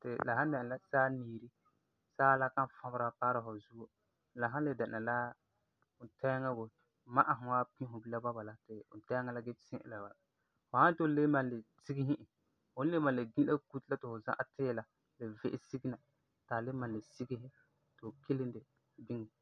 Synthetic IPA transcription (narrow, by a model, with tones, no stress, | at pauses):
tɪ̰˨la˨ɦã˦n˦dɛ˨a˨la˦saː˦niː˨ɾi˦ | saː˦la˦kã˦n˨fã˦bɾa˨paː˦ɾa˨fʊ˨zu˦o˦˨ | la˨ɦã˦nlɪ˨dɛ˨na˨la˦ | ʊ˨tɛ˦ŋɛ˦bo˨ | ma˦ʔa˨ɦʊ˨wa˦pĩ˦ɦʊ˨bi˦la˦ba˦ba˨la˦tɪ˨ʊ̰˨tɛ˦ŋɛ˦la˦ɡɪ˦sɪ̃˦ʔɪ̰˦la˨ba˨ | fʊ˨ha˦n˦to˦le˦mã˨nlɪ˨ti˦ɡi˦ɦɪ̃˦ʔɪ˨ | hʊ˦n˦le˦ma˨nlɪ˨ɡĩ˦a˦ku˦tla˦tɪ˨fʊ˨za̰˦ʔa˨tɪː˦˨la˨ | lɪ˨vɪ˦ʔɪ˦si˦ɡi˦na˨ | taː˨lɪ˦ma˨nlɪ˨si˦ɡɪ˦ɦɪ˦ | tɪ˨ʊ˨ke˦lɪ˦ndɪ˨ | bɪ˦ŋɛ˨